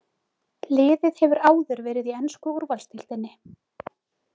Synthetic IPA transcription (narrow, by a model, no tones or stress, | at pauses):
lɪːðɪðhɛvʏɾaːwðʏɾvɛːɾɪðiɛnskʏuɾvalst̪ʰɪlt̪ɪnːɪ